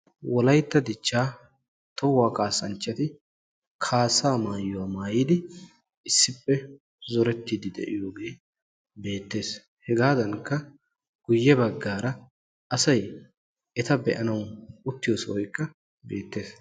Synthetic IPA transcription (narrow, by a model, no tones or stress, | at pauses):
wɔlɐjt̪ːɐd̪ɪt͡ʃːaː | t̪ɔwaːkʼaːsɐnt͡ʃːɐt̪ɪ | kʰaːsːaːmaːjːʊwaːmaːjiːd̪ɪ | ɪsːɪpːɛ | zɔɾɛt̪ːiːd̪ɪd̪ɛ̰ʔɪ̰jo̞ːɡe̞ː | be̞ːt̪ːe̞ːs | hɛɡaːd̪ɐŋkːɐ | ɡ̥ʊjːɛbɐɡːaːɾɐ | ʔɐsɐj | ʔɛt̪ɐbɛʔɐnɐwʊt̪ːɪjoːswɔjkːɐ | beːt̪ːe̞ːs